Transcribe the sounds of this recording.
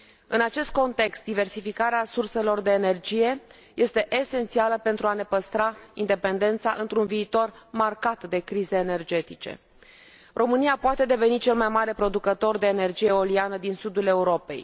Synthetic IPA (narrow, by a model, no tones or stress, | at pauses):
ɨnat͡ʃe̞st̪̚ko̞nt̪e̞kst̪d̪ive̞rsifikaɾeasurse̞lo̞rd̪e̞ːne̞rd͡ʒije̞ | je̞st̪e̞ʔese̞nt̪sialəpe̞nt̪ɾuane̞pəst̪ɾaḭnd̪e̞pe̞nd̪e̞nt̪saʔɨnt̪ɾunviːt̪o̞rmarkat̪d̪e̞kɾize̞ːne̞rd͡ʒe̞t̪it͡ʃe̞̰ | rʔo̞mɨnijapoat̪e̞d̪e̞ve̞nit͡ʃe̞lmajmaɾe̞pɾo̞d̪ukət̪o̞rd̪e̞ːne̞rd͡ʒije̞o̞lianəd̪insud̪ule̞uɾo̞pe̞̰j